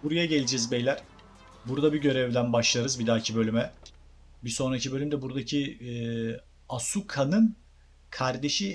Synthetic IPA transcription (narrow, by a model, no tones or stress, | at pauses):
buɾajaɟe̞lʲid͡ʒɛzbejlʲæɾ̥ | buɾd̪abiɟø̞ɾɛvd̪ænbaʃlˠaɾɯzbid̪aːcʰibø̞lʲymɛ | biso̞nɾacʰibølʲymd̪ɛbuɾd̪acʰi | asukʰanɯn | kʰaɾd̪e̞ʃi